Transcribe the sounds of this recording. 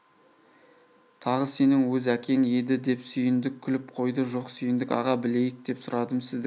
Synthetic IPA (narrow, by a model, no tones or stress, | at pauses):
t̪ʰɑʁəse̞nɪŋwɵzækʲʰe̞ŋe̞d̪ɪd̪e̞psʏjɪnd̪ɪkʲʰːʏlɪp̚qʰo̞jd̪əʒo̞qsʏjɪnd̪ɪkɑ̰ʁɑbɪle̞jɪk̚d̪̥e̞psʊɾɑd̪əmsɪzd̪ɪ